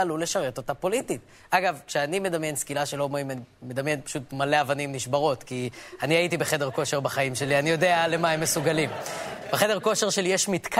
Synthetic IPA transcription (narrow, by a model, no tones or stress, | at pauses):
alule̞ʃaʁe̞totapo̞litit | aɡavkʃeanime̞damjenskilaʃelo̞mimanime̞d̪amjenpḁʃutmale̞avanimniʃbaʁo̞tkianiaitibeχe̞deʁko̞ʃe̞ʁbaχaimʃe̞lianijo̞deale̞maemːe̞suɡalimb̥eχe̞de̞ʁko̞ʃeʁʃe̞lijeʃmitk